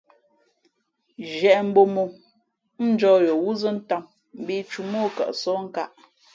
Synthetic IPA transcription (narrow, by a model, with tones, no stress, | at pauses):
ʒɛ˨ʔm̩˦bo˨mo˨ | n̩˦d͡ʒɔ˦jo˨wu˦zə˦n̩˦ta˦˨m | m̩˦bi˦t͡ʃu˨mo˦kə̰˨ʔsɔ˦ŋ̩˦ka˦˨ʔ